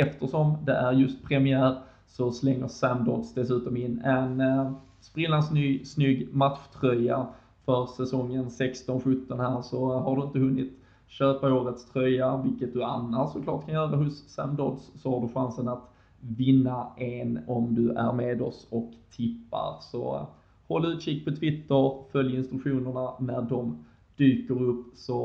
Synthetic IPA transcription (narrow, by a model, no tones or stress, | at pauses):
ɛft̪əʂɔmd̪ɛʔæɾjɵst̪̚pʰɾɛmɪæːɾ | sɔslɛŋːəɾsæmd̪ɔd̪sd̪ɛsʉ̟ːt̪ɔmɪnːɛn | spɾɪlːansnyːɡsnʏɡmat̪ɧt̪ʰɾœjːa | fœɾsɛsɔŋːənsɛkst̪ɔnɧɵt̪ːɔnhæːɾʂɔɦaɖɵɪnt̪əhɵnːɪt̪ | ɕøːpaoːɾət̪st̪ʰɾœjavɪlkət̪̚d̪ɵa̰nːaɔkʰlɑ̰ːʈ̚kʰanjœːɾaɦʊsːæ̰md̪ɔd̪sːɔhaɖɵɧansənat̪ | vɪnːaʔenɔmd̪ɵʔæ̰ɾmeːd̪ɔsɔkt̪ʰːɪpːa̰ɾsɔ̰ | hɔlːʉːt̪ɕɪk̚ːpʰɔt̪ʰvɪt̪ːəɾfœljɪnst̪ɾɵkɧuːnəɳanæɖɔm | d̪̥yːkəɾɵpːsɔ